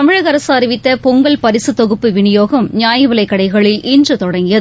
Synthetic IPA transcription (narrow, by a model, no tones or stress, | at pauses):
t̪ɐmɪɻɐɣɐɾɐsaːɾɪʋɪt̪ːɐpɔŋɡɐɭpɐɾɪsɯt̪ɔɣɯpːɯʋɪɳɪjoːɣɐmɲaːjɐʋɐlɐɪkːɐɽɐɪɣɐɭɪlʔɪndrɯt̪ɔɽɐŋɡɪjɐð